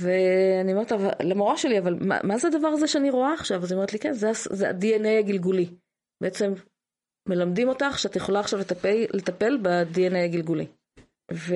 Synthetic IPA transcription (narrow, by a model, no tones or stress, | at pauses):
veanioeetavalemoʁaʃe̞liavalma̰mazead̪avaʁazeʃeaniʁo̞aːχʃavaznome̞ʁetlikenzeaszea̰dienejaɡilɡuli | b̥eet͡se̞mː | e̞lamdimo̞taχʃeat̪jeχo̞laːχʃavlet̪pele̞t̪ape̞lbadienejaɡilɡulḭ | ve